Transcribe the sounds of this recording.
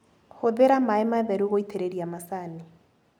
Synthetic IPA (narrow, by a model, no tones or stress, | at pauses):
hoðeɾamaɛmaβɛɾuɣoitʰeɾeɾiamasani